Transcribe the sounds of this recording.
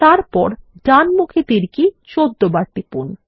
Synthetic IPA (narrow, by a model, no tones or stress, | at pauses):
t̪aɾpɔɾɖanmukʰet̪iɾkit͡ɕod̪ːobaɾt̪ipṵn